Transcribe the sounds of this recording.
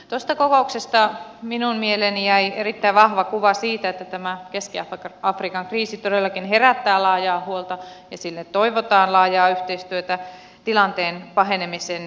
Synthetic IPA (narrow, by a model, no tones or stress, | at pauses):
t̪ost̪ɑkokouksest̪ɑminummielenijæierit̪ːæiʋʋɑhʋɑkuʋɑsiːt̪æet̪ːæt̪æmækeskiɑfkɑfrikɑŋkriːsit̪odelːɑkinheræt̪ːæːlɑːjɑːhuolt̪ɑjɑsilːet̪t̪oiʋot̪ɑːnlɑːjɑːyht̪eist̪yøt̪æ | t̪ilɑnt̪eːnpɑɦenemisen